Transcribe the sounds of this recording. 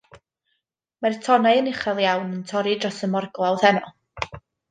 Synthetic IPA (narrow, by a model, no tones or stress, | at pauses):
martʰɔnajənɪχalˠjawnəntʰɔɾidrɔsəmɔrɡlˠawðɛnɔ